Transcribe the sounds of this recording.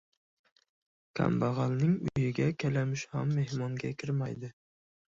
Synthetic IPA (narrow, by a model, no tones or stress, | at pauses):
kʲʰa̰mbaʁalˠnɪŋʊjɪɡʲakʲʰalamɪʃhamːe̞hmɒŋɡʲakʲʰɪɾmajd̪ɪ